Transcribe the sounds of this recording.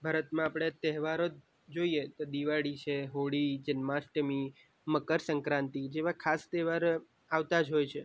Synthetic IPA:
bʱaːɾət̪mãapɽ̃et̪ɛɦʋaɾod͡ʒ | d͡ʒoiet̪od̪iʋaɽit͡ʃʰeɦoɽid͡ʒənmasʈəmi | məkəɾsəŋkɾãnt̪id͡ʒeʋãkʰast̪ɛʋaɾ | aʋt̪ad͡ʒɦojt͡ʃʰe

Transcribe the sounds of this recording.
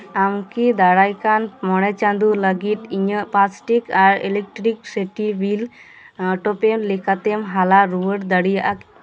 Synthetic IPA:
amkid̪aɽajkanmɔɽ̃ɛt͡ʃand̪uləɡit̪iɲəpasʈikaɾḛlek̚ʈɾikseʈibil | ʈɔpɛmlɛkʰat̪ɛmɦalaɾuwəʈd̪əɽijaʔak

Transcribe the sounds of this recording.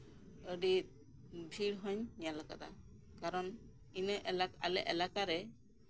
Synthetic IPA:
əɖit̪̚ | bʱiɽɦɔɲjalaka̰d̪a̰ | kaɾɔn | inəʔɛlaka̰lɛʔɛlakaɾɛ

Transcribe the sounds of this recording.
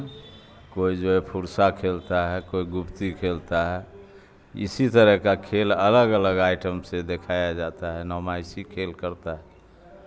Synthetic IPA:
koid͡ʒoɛpʰuɾsakʰelt̪aɦɛkoiɡupt̪ikʰelt̪aɦɛ | ḭsit̪əɾəkakʰelələɡələɡaɪʈəmsed̪ekʰajad͡ʒat̪aɦɛnəmajsikʰelkəɾt̪aɦɛ

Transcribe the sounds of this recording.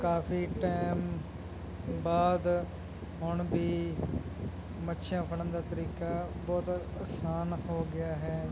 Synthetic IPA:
kaːpiːʈɛːm | baːd̪ | ɦʊɳbʱiː | mətːʃʰjãːpʰəɽə̃nd̪aːt̪əɾiːkaːbɔːt̪ | aːsaːnhoːɡɪjaːɦɛː

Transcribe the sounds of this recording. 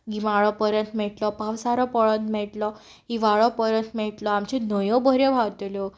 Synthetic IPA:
ɡimaɭɔpəɾənt̪mɛʈlɔpawsaɾɔpəɭənt̪mɛʈlɔ | iʋaɭɔpəɾənt̪mɛʈlɔamt͡ɕenəjɔ̃bʱəɾjɔbʱawt̪elɔ

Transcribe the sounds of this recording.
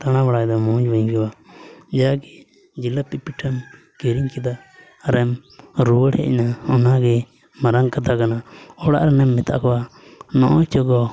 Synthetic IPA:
t̪aɽ̃abaɽajd̪ɔmɔ̃ɲd͡ʒbəŋkɛbad͡ʒaaɡɛ | d͡ʒilapipiʈʰəm | keɾiŋkid̪a | ɾɛmɾuwəɽɛ̰ʔnaɔnaɡɛ | maɾaŋkat̪akanaɔɽa̰ʔɾɛnɛmːit̪a̰ʔkɔwanɔʔɔt͡ʃɔɡɔ

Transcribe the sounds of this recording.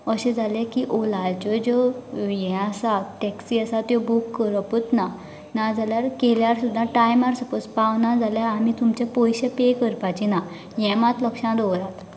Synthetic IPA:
əɕẽd͡zʱalẽkiʔolajt͡ɕɔd͡ʑɔjɛ̃asaʈɛksiəsat̪jɔbukːəɾəput̪na | nad͡zaljaɾkeljaɾsud̪ʱːãʈajmaɾsəpət͡spaʋnad͡zaljaamit̪umt͡ɕepɔjɕepekəɾpat͡ɕina | jɛ̃mãt̪ləkʂãd̪oɾat̪

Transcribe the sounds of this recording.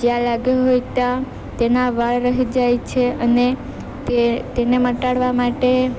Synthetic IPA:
d͡ʒeãlaɡoɦojt̪a | t̪enaʋaɭɾəɦid͡ʒajt͡ʃʰeəne | t̪et̪eneməʈaɽʋamaʈe

